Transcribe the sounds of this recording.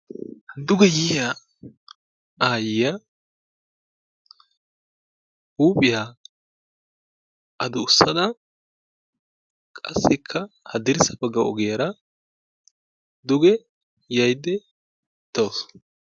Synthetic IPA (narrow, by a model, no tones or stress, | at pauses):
d̪ʊɡɛjɪja | aːjɪja | uːpʼɪja | ʔɐd̪ʊʊsːɐd̪ɐ | kʼɐsːɪkʰːɐhɐd̪ɪɾɪsɐbɐɡːɐɔɡɪjɐɾɐ | d̪ʊɡɛ | jɐjd̪ɛ | ɪt̪ːɐws